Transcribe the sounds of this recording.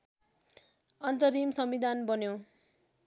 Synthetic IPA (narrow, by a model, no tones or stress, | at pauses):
ʌnt̪ʌɾimsʌmid̪ʱanbʌnjo